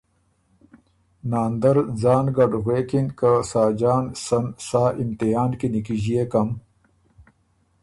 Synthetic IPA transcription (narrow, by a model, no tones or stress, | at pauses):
naːnd̪ɐɾd͡zaːnɡɐɖɣweːkinkasaːd͡ʒaːnsɐnsaːʔimt̪iɦaːnkinikiʑijekɐm